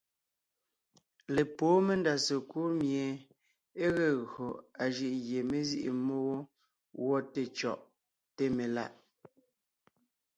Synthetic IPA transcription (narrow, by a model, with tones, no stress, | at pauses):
le˨poː˨˦me˦nda˨se˨kuː˦ɾmje˨ | e˦ɣɛ˨ɣo˨a˨ʒi˦ʔɣje˨me˦zḭ˦ʔḭ˨mo˦ɣo˦ | wɔ˦te˦˨t͡ʃɔ̰˨ʔ | te˦me˨la̰˦˨ʔ